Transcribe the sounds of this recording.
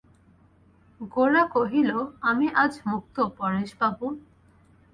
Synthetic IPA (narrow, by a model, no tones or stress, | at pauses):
ɡoɾakoɦiloamiʔad͡ʑmuk̚t̪opɔɾeʃbabu